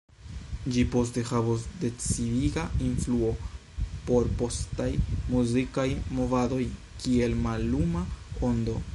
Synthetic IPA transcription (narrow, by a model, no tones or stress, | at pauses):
d͡ʒipo̞ste̞havos̬de̞t͡sidiɡainfluo̞ | po̞ɾpo̞stajmuzikajmo̞vado̞j | kie̞lmalːumao̞ndo̞